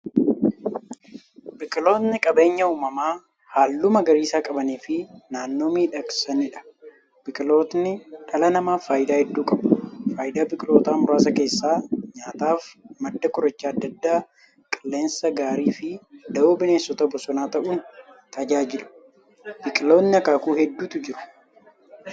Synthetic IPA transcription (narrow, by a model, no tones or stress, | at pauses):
bɪkʼɪlo̞ːt̪nɪkʼɐbe̞ːɲːɐuːmɐmaː | haːlːʊmɐɡɐɾiːsaːkʼɐbɐniːfɪnaːnːo̞ːmiːᶑɐksɐnɪᶑɐ̥ | b̥ɪkʼɪlo̞ːt̪nɪᶑɐlɐnɐmaːfaːjɪd̪aːhɛd̪ːuːkʼɐbʊfaːjɪd̪aːbɪkʼɪlo̞ːt̪aːmʊɾaːsɐke̞ːsːaːɲaːt̪aːfmɐd̪ːɐkʊɾɐt͡ʃːaːɐd̪ːɐd̪ːaː | kʼɪlːe̞ːnsɐɡaːɾiːfɪd̪ɐoːbɪne̞ːsːɔt̪ɐbɔsɔnaːt̪ɐʔuːn | t̪ɐd͡ʒaːd͡ʒɪlʊ̥ | bɪkʼɪlo̞ːnnɪɐkaːkuːhɛd̪ːuːt̪ʊd͡ʒɪɾʊ̥